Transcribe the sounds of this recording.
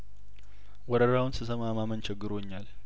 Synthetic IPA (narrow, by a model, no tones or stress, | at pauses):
wɔɾəɾawʊnsɨsəmamamənt͡ʃʰɪɡːɨɾoɲːal